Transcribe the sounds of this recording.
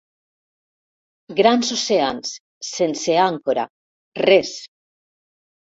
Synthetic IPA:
ɡɾansoseansː | enseaŋkoɾa̰ | res

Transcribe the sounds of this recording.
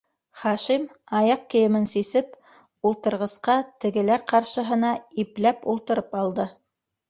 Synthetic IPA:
χɑʃim | ɑjɑq̚kɘ̆jɘ̆mɘnsisɘp | ulˠt̪ɤ̆ɾʁɤ̆sqɑt̪ɘ̆ɡɘ̆læɾqɑɾʃɤ̆ɦɤ̆nɑiplæpulˠt̪ɤ̆ɾɤpɑlˠd̪ɤ

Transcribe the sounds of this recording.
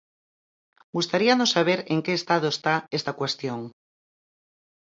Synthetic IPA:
ɡust̪aɾianosaβ̞eɾeŋkeːst̪aðoest̪aest̪akwest̪joŋ

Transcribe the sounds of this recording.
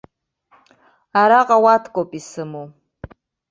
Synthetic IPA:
aɾaqʼawatʰkʼopʼisɨmu

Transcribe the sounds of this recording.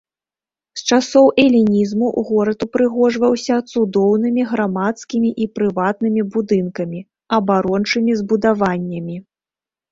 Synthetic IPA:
st͡ʂasɔwʔɛlʲinʲizmuʔɣɔɾɐd̪upɾɨɣɔʐvɐwsʲɐt̪sud̪ɔwnɨmʲiɣɾamat̪skʲimʲiʔipɾɨvat̪nɨmʲibud̪ɨnkɐmʲi | ɐbaɾɔnt͡ʂɨmʲizbud̪avanʲːɐmʲi

